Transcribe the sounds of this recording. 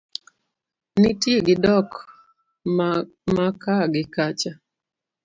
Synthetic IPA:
nɪtjeɡɪdɔk | makaɡɪkat͡ʃa

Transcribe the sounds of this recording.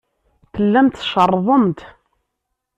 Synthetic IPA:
θəlːæmt̪ʃərˤːðˤəmt̪

